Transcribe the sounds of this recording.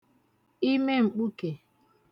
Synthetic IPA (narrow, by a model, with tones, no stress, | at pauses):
i˦me˦ŋ͡m̩˨k͡pu˦ke˨